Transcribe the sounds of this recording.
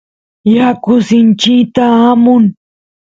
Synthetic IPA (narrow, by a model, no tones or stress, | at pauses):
jakʊsɪnt͡ʃɪkt̪aːmʊŋ